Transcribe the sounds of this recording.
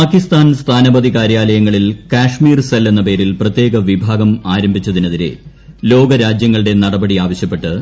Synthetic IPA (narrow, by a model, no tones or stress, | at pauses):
paːkist̪aːnst̪ʰaːnɐbɐd̪ikaːɾjaːlɐjɐŋːɐɭilkaːʂmiːrselːe̞nːɐpe̞ːɾilprɐt̪je̞ːɡɐʋibʱaːɡɐmaːɾɐmbʱit͡ɕːɐðinɐðiɾe̞̰ | lo̞ːɡɐɾaːd͡ʑjɐŋːɐɭɨɽe̞nɐɽɐbɐɽiaːʋɐɕjɐpːe̞ʈːɨ